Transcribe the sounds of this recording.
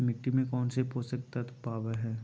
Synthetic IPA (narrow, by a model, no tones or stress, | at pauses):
mɪʈːimẽkɔːnsepoːsək̚t̪ɐt̪paːʋeɦɛː